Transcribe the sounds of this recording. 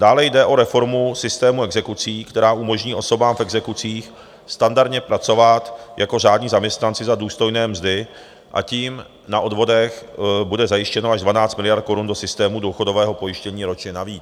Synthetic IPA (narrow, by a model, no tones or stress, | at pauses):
d̥aːlɛjdɛʔo̞ɾɛfo̞ɾmusɪst̪ɛːmuɛɡzɛkut͡siːkt̪ɛɾaːʔumo̞ʒɲiːʔo̞so̞baːmfɛɡzɛkut͡siːx | st̪andaɾdɲɛpɾat͡so̞vat̪jako̞ʒ̝aːdɲiːzamɲɛst̪nant͡sɪzaduːst̪o̞jnɛːmzdɪ | ʔa̰ciːm | naʔo̞dvo̞dɛxbudɛzajɪʃcɛnoaʒdvanaːt͡st̪mɪlɪjaɾt̪̚ko̞ɾundo̞sɪst̪ɛːmuduxo̞do̞vɛːɦo̞po̞jɪʃcɛɲiːɾo̞t͡ʃɲɛnaviːt͡s